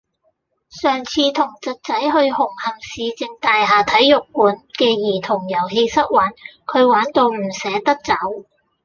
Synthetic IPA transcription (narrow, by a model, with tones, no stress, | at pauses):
sœː˨˩ŋt͡sʰiː˧t̪ʰʊ˨˩ŋt͡sɐ˨t̚t͡sɐ˨˥jhɵ˧ɥhʊ˨˩ŋhɐ˨ŋsiː˨˧t͡sɪ˨˧ŋt̪aː˨jɦaː˨˩t̪ʰɐ˨˥jːʊ˨˩k̚ːuː˨˥nkɛː˧jiː˨˩t̪ʰʊ˨˩ŋjɐ˨˩wɦe˧jsɐ˥t̚waː˨˥nkʰɵ˨˧ɥwaː˨˥nt̪o˧wm̩˨˩sɛː˨˥t̪ɐ˥k̚t͡sɐ˨˥w